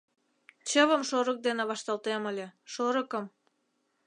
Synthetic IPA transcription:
t͡ɕəβəmʃoɾək̚d̪eneβɑʃt̪ɑlt̪eməlʲeʃoɾəkəm

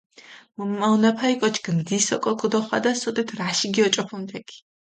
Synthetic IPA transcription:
mummaunapʰaikʼɔt͡ʃʰɡ̥md̪isɔkʼɔkʰud̪ɔχwa̰d̪asɔd̪ɛt̪ʰɾaʃiɡiɔt͡ʃʼɔpʰumt̪ʰɛkʰi̥

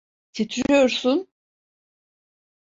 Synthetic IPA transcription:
t̪ʰit̪ʰɾyjoɾsun

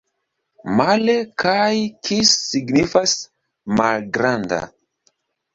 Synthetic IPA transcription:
malekʰajkʰisiɡnifas | malɡɾanda̰

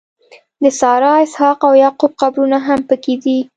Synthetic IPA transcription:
d̪əsɑɾɑɪshɑqawjɑqobxabɾunaɦampəked̪i

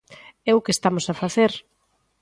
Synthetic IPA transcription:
ɛʊkest̪amosafaθeɾ

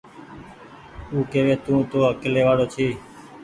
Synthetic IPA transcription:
uːkeːʋẽːt̪ũːt̪oːɦəkeːleːʋaːɽoːt͡ʃʰiː

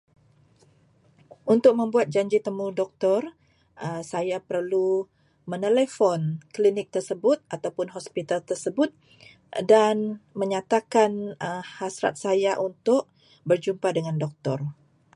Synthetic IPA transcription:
unt̪ʊk̚mə̃mbuat̪̚d͡ʒaɲd͡ʒit̪əmudɔk̚t̪ɔr | ʔəsajapərlu | mənelefɔnklinɪk̚t̪ərsəbʊt̪̚at̪awpʊnɦɔspit̪alt̪ərsəbʊt̪̚ | danməɲat̪akanəhasɾa̰t̪̚sajaʔunt̪ʊʔ̚ | bərd͡ʒumpadəŋandɔk̚t̪ɔr

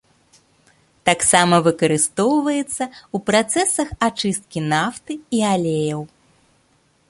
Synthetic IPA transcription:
t̪aksamɐvɨkɐɾɨst̪ɔwvɐjɛt̪sːɐupɾat̪sɛsɐxat͡ʂɨst̪̚kʲinaft̪ɨialʲejɐw

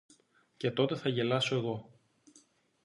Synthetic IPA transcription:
ce̞t̪o̞t̪e̞θɐʝe̞lɐso̞e̞ɣo̞

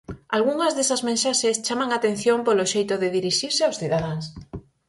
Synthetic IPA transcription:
alɣuŋɐzðesɐzmẽnʃaʃest͡ʃamaŋat̪en̟θjompoloʃejt̪ʊðɪðiɾiʃiɾsɪawsθiðaðaŋs

